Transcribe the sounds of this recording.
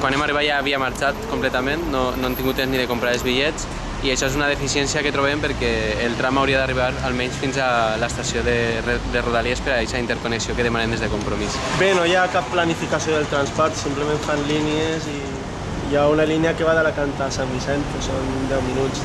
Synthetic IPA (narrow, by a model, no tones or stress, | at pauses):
kwanemariβat̪jaβiamaɾt͡ʃat̪komplɛt̪amẽnːonoemt̪iŋɡut̪ːezniðekompɾaɾelzβiʎɛt͡s | iaʃɔezunað̞efisiɛnsiaket̪ɾoβempeɾkɛːlˠt̪ɾamawɾiaðariβ̞aɾalˠmɛɲsfinzalaest̪asioðered̪eruðaliespeɾaɛʃaint̪eɾkoneksiokeðemanemnd̪ezðekompɾomis | benojakapːlanifikasioðelˠt̪ɾanspɔɾt̪simplemẽɱfanliniezi | jaunalineakeβaðalakant̪asamβisɛnt̪pesond̪ɛwminut͡s